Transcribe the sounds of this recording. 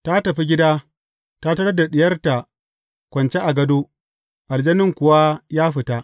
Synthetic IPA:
ta˦tɐ˨ɸi˦ɡʲɪ˦daː˦ | ta˦tɐ˦ɽɐ˦da˨ɗɪ˨jɐ˦rta˨ | kʷɐ˨nt͡ʃe˦ʔa˨ɡɐ˦doː˦ | ʔa˨d͡ʒɐ˦nɪ˦ŋkʷʊ˨wa˦jaː˦ɸɪ˨ta˦

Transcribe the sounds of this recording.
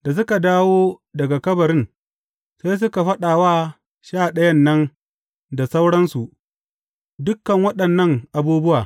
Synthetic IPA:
d̥a˨s̬ʊ˦ka˨daː˦woː˦dɐ˨ɡa˨kɐ˦bɐ˨ɾɪ˦n | sa˦js̬ʊ˦ka˨ɸɐ˦ɗaː˨waː˦ | ʃaː˦˨ɗɐ˦jɐ˦nːɐ˦n | da˨sa˦wɽɐ˦nsu˨ʔ | dʊ˦kːɐ˨ŋwɐ˦ɗɐ˨nːɐ˦ŋʔa˨buː˦bʊ˦waː˨

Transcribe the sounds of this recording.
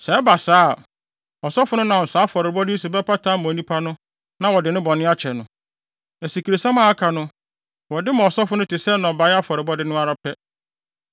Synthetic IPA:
sɛ˨ɛ˦ba˨saː˦˨ | ɔ˨sɔ˦fʊ˦nʊ̃˦nã˨ɔ˨sa˨˦fɔ˨ɾɪ˨bɔ˦dɪ˦si˨bɛ˦pʰa˦tʰã˦mɔ̃˨nĩ˦pʰa˦nʊ̃˦ | nã˨wɔ˨dɪ˨nʊ̃˦bɔ̃˨nɪ̃˦a˦t͡ɕʰɛ˨nʊ̃˨ | ɛ˨si˨kʰi˨ɾe˨sã˦mã˦a˦kʰa˨nʊ̃˦ | wɔ˨dɪ˦mʊ̃˨ɔ˨sɔ˦fʊ˦nʊ̃˦tʰɪ˨sɛ˦nɔ̃˨ba˨ja˦fɔ˨ɾɪ˨bɔ˦dɪ˦nʊ̃˦a˦ɾa˦pʰɛ˦

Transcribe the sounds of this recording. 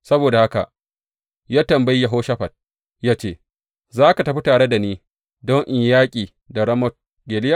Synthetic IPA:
sɐ˦boː˨da˨ha˦ka̰˨ | jaː˦tɐ˨mba˦jja˨ɦoː˦ʃɐ˦ɸɐ˨t̚ | jaː˦t͡ʃeː˦ | zaː˦ka˨tɐ˨ɸi˦taː˨ɽe˦da˨niː˦ | dɔ˦ŋʔɪ˨ɲjaː˦kʲʼiː˨ | da˨ɽɐ˦mɔ˦t̚ | ɡeː˨lɪ˦ja˦˨

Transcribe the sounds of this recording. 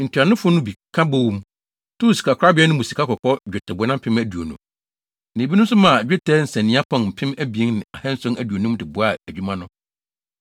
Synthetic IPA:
n̩˨tʰi˨a˨nʊ̃˦fʊ˦nʊ̃˦bi˨kʰã˦bo˦wu˦m | tʰʊ˦˨si̥˨kʰa˨kʰa˦bɪ˦ɛ˦nʊ̃˦mʊ˨si˨kʰa˦kʰɔ˨kʰɔ˦d͡ʑᶣɪ˨tʰɛ˨bʊ˨˦nã˦m̩˦pʰɪ̃˦mæ˨du˨o̰˨nṵ̃˨ | nɪ̃˨bi˦nʊ̃˦m˦s̬ʊ˦mã˨d͡ʑᶣɪ˦tʰɛ˦n̩˨sɛ̃˨nːĩ˨˦a˦pʰɔ̃˨nm̩˨pʰɪ̃˦mæ˦bi˨e˦ŋnɪ̃˨a˨hɛ̃˦n̩˦sʊ̃˦næ˨du˨o˨nũ˦dɪ˨bʊ˨a˦˨æ˨d͡ʑᶣu˦mã˦nʊ̃˦

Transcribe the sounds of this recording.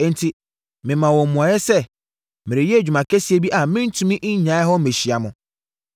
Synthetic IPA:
ɛ̃˦n̩˨tʰi˨ | mɪ̃˨mã˨wɔ˨m˨mũ˨a˨jɛ˦sɛ˦ | mɪ̃˨ɾɪ̃˨jɛ˦æ˨d͡ʑᶣu˨mã˨kʰæ˦si˨e˨˦bi˦ʔa˨mɪ̃˦n̩˦tʰũ˦mĩ˦ʔɪ˦ɲã˨˦ɛ˦ɦɔ˦mẽ˨ɕi˨a˨mʊ̃˨

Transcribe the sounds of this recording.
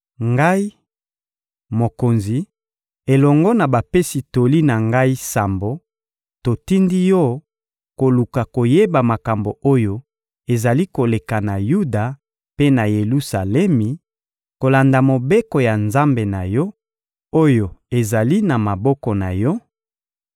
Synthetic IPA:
ŋɡa˦i˦ | mo˨ko˨nzi˨ | e˨lɔ˨ŋɡɔ˦na˨ba˨pe˦si˨to˨li˦na˨ŋɡa˦i˦sa˨mbo˦ | to˨ti˦ndi˦jɔ˦ | ko˨lu˨ka˨ko˨je˦ba˨ma˨ka˨mbo˨o˦jo˦ | e˨za˨li˦ko˨le˨ka˨na˨ju˦da˨ | pe˦na˨je˨lu˦sa˨lɛ˦mi˨ | ko˨la˨nda˨mo˨be˦kɔ˨ja˨nza˦mbe˨na˨jɔ˦ | o˦jo˨e˨za˨li˦na˨ma˨bɔ˦kɔ˨na˨jɔ˦

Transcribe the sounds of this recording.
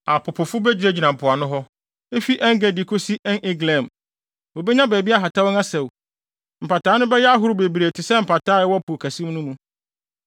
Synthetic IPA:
a˨pʰʊ˨pʰʊ˨fʊ˦bɛ˦d͡ʑᶣɪ˨ɾe˦d͡ʑi˨nã˨m̩˨pʰʊ˨a˨nʊ̃˦ɦɔ˦ | e˦fi˦ʔɛ̃˦ŋ˦ɡɛ˨di˨kʰo˦si˦ʔɛ˦nɪ˦ɡlɛ̃˨m | wo˨bɛ˦ɲã˦bæː˨bi˦a˦ɦa˨tʰa˦wɔ˦ŋa˦sɛ˨w | m̩˨pa˨tʰaː˨˦nʊ̃˦bɛ˦jɛ˦a˦ɦʊ˦ɾʊ˦be˨bi˨ɾe˨tʰɪ˨sɛ˦m̩˨pʰa˨tʰaː˦ɛ˦wɔ˦pʰu˨kʰæ˨sĩ˦m˦nũ˦mũ˦

